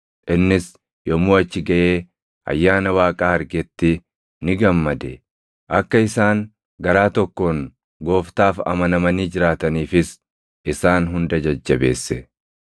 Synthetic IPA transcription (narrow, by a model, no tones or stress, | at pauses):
ʔɪnːɪs | jɔmoːɐt͡ʃːɪɡɐʔeː | ɐ̰jːaːnɐwaːkʼaːɐɾɡɛt̪ːɪ | nɪɡɐmːɐd̪ɛ | ʔɐkːɐɪsaːŋ | ɡɐɾaːt̪ɔkːo̞ːŋ | ɡo̞ːft̪aːfɐ̰mɐnɐmɐniːd͡ʒɪɾaːt̪ɐniːfɪs | ʔɪsaːnɦʊnd̪ɐd͡ʒɐd͡ʒːɐbe̞̰ːsːɛ